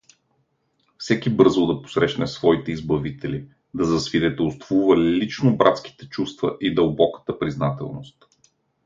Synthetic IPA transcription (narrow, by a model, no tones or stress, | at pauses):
fsɛkibɤɾzod̪ɐpo̥sɾɛʃnɛsvɔit̪ɛizbɐvit̪ʰɛli | d̪ɐzɐsvid̪ɛt̪ɛlˠst̪vuvəlit͡ʃnobɾʔa̰t̪ski̥t̪ɛt͡ʃust̪və̰ʔid̪əlˠbɔkə̥t̪əpɾiznat̪ɛ̰lˠno̰st̪